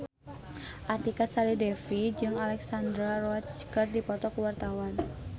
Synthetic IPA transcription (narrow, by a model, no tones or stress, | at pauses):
ʔat̪ikasalidɛfid͡ʒɨŋalɛksand̪ɾarɔat͡ʃkərdipɔt̪ɔkəwart̪awan